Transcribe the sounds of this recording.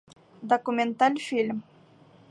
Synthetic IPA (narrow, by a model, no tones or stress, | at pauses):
d̪okumʲent̪alʲfʲilʲm